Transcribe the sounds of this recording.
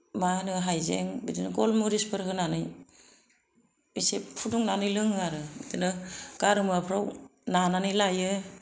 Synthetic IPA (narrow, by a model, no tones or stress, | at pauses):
manɯɦajzḛŋbidinɯɡɔlmuɾispʰɯɾɦɯnanɯj | bisepʰuduŋnanɯjlɯŋɯaɾɯbidinɯɡ̥aɾɯmɯapʰɾawnananɯjlajɯ